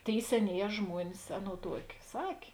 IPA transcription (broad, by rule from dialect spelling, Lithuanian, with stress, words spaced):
ˈtʲeːɪ sʲɛˈnʲeːˌjɛː ˈʒmuɔnʲɪs ˈɑːˌnoːʊ ˈtuɔkʲɪ ˈsɑːkʲeː